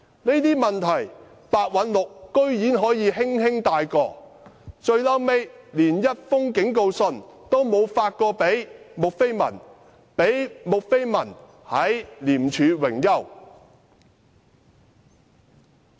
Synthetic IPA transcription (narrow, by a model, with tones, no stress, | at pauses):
ne˥jt̪iː˥mɐ˨nt̪ʰɐ˨˩j | paː˧t̚wɐ˨˥nlʊ˨kːɵ˥ɥjiː˨˥nɦɔː˨˥jiː˨˧ɦɪ˥ŋhɪ˥ŋt̪aː˧jkɔː˧t͡ʃɵ˧ɥlɐ˥wme˥jliː˨˩njɐ˥t̚fʊ˥ŋkɪ˨˥ŋko˧wsɵ˧nt̪o˥wmo˨˧wfaː˧t̚kɔː˧pe˨˥jmʊ˨k̚fe˥jmɐ̰˨˩n | pe˨˥jmʊ˨k̚fe˥jmɐ˨˩n | hɐ˨˥jliː˨˩mt͡ʃʰyː˨˧wɪ˨˩ŋjɐ˥w